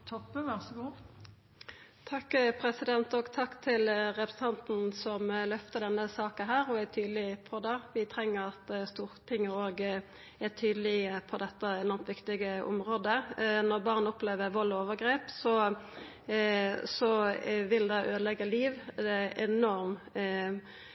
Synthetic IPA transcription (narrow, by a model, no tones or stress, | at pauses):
t̪ʰɔpːəʋæʁsəɡuː | t̪ʰɑkːpʰɾɛsɪd̪ɛnt̪oːɡt̪ʰɑkːt̪ʰɪlʁɛpɾəsn̩t̪ɑnt̪n̩sɔmlœft̪əd̪ɛnːəsɑːkəɦæːɾɔæt̪ʰyːd̪əlɪpʰɔd̪ɛʋɪt̪ʰɾɛŋːəɾɑt̪st̪uːɾt̪ʰɪŋːəɾoːɡ | æt̪ʰyːd̪əlɪəpʰɔd̪ɛt̪ːəɛnɔʁmt̪ʋɪkt̪ɪɡəʔʊ̰mʁoːd̪ənɔʁbɑʁnʊpleːʋəʁʋɔloːʋəɡɾeːpsɔ | sɔʋɪld̪ɛʔøːd̪əlɛɡːəliːʋd̪ɛɛnɔɾm